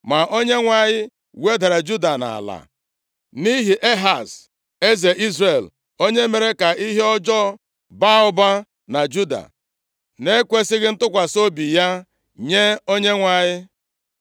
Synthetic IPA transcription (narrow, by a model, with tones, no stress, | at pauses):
ma˨ʔo˦ɲe˦ŋʷa˨ɲɪ˦ | we˦da˨ɾa˨d͡ʒu˦da˨na̰˨la̰˨ | ni˦ɦi˨ʔe˦ɦa˨s | e˦ze˨ʔi˦zɾe˨l | o˦ɲe˦me˨ɾe˦ka˨ʔi˦ɦe˦ɔ˦d͡ʒɔ˦ | ba˦ʊ˦ba˦ | na˨d͡ʒu˦da̰˨ | ne˦kʷe˦sɪ˦ɣɪ˦n̩˦tʊ˦kʷa˨so˦bi˨ja˦ | ɲe˦o˦ɲe˦ŋʷa˨ɲɪ˦